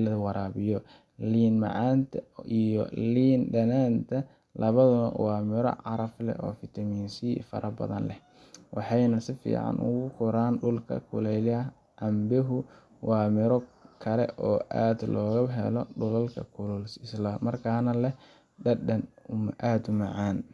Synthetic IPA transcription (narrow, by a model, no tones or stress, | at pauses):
lɐðwɑɾaːβɪjɔ | liːnmɑ̰ʕɑːnt̪ʰɐijɔ̰liːnɖɐnaːnt̪ʰɐ | lɐβɐðʊnwɑːmɪɾɔ̰ʕɑɾɐflɛ̰ʔɔːfɪt̪ʰɐmiːnsifɐ̰ɾʔɐbɐ̰ðɐ̰nlɛh | wʔɑħɑjnɐsɪfḭːʕɑ̰nʊ̰ɣʊkʰʊɾaːnɖʊlkʰɐ̰kʰʊlɛjl | ʔɑmbɪɦʊ | wɑːmɪɾɔkʰɐlɛ̰ʔɔːʔaːd̪lɔːɣɐɦɛ̰lɔɖʊlɐlkʰɐ̰kʰʊlʊlsɪslɐmɐrkʰaːnɐlɛ | ɖɐɐnʊmʔaːd̪ʊmɑʕɑːn